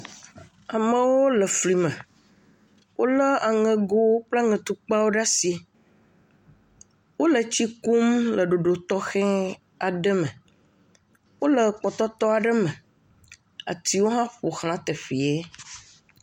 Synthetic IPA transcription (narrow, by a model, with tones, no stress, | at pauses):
a˨mə̃˦wo˦lə˨fli˨mə̃˨ | wʔo˦lə˦a˨ŋɛ̃˨ɡo˦wpla˦ŋɛ̃˨t̪u˦k͡pa˦wo˦ɖa˦si˨˦ | wo˦lə˨t͡ɕi˦ku˦mlə˨ɖo˨ɖo˨t̪ɔ˦xɛ̃˦ | a˨ɖə˦mə̃˨ | wo˦lə˨k͡pɔ˨t̪ɔ˦t̪ɔ˦a˨ɖə˦mə̃˨ | a̰˨t̪i˨wo˦ɦã˦ɸo˨xl̃ã˦t̪e˨fi˨e˦